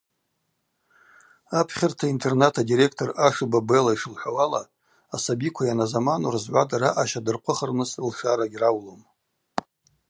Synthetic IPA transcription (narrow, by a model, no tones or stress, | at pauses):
apʰχʲɪrtʰaintʰe̞rnatʰadiɾe̞k̚ʰtʰoraʂɨbabelaiʂɨlħʷawala̰ː | sabikʷʰajanazamanorzʕʷadaɾaʔaʃadɨrqʷʰʊχərnɨslʂaɾaɡʲrawlom